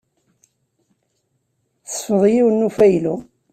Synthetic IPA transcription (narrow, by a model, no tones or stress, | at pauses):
θsfəðˤjiwənːufæjlu